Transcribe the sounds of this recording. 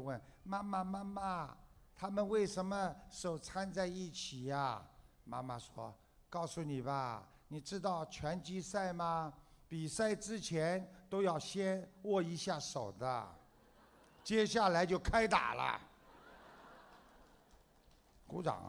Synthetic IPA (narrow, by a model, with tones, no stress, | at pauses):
wə˥˩nma˥ma˨˧ma˥ma˨t̪ʰa˥mə˨nwe˥˩ɪʂə˧˥nmə˧ʂo˨˩ʊt͡sʰa˥nt͡sa˥˧ɪi˥˩t͡ɕʰi˨˩ɐ˦ | ma̰˥ma˨ʂwɔ̰˥ | kɑ˥˩ʊsu˨˩ni˨˩bɐ˦ | ni˨˩ʈ͡ʂɻ̩˥t̪ɑ˥˩ʊt͡ɕʰɥɛ˧˥nt͡ɕi˥sa˥˩ɪmɐ˧ | pi˨˩sa˥˩ɪʈ͡ʂɻ̩˥t͡ɕʰjɛ˧˥nt̪o˥ʊjɑ˥˩ʊɕjɛ˥nwɔ˥˩i˧˥ɕja˥˩ʂo˨˩ʊd̪ə˦ | t͡ɕjɛ˥ɕja˥˩la˧ɪt͡ɕjo˥˩ʊkʰa˥ɪt̪a̰˨˩lə̰˦ | ku˧˥ʈ͡ʂɑ̰˨˩˦ŋ